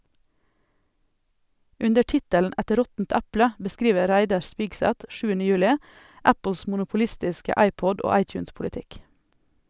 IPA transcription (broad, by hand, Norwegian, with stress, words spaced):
ˈʉndə ˈʈɪtəln̩ ˈɛt ˈɾɔtn̩t ˈæplə bəˈskɾiːʋə ˈɾæɪdɑɾ ˈspɪɡsæt ˈʃʉːənə ˈjʉːlɪ ˈæpl̩s mʊnʊpʊˈlɪstɪskə ˈɑɪˌpɔd ˈoː ˈɑɪˌtjʉːnspʊlɪˌtɪk